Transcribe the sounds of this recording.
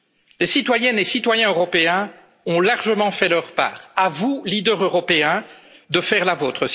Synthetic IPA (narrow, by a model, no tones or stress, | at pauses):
lesit̪wajɛnesit̪wajɛ̃øʁɔpeɛ̃ | ɔ̃laʁʒəmɑ̃fɛlœʁpa̰ːʁavulid̪œʁøʁɔpeɛ̃d̪əfɛʁlavoːt̪χə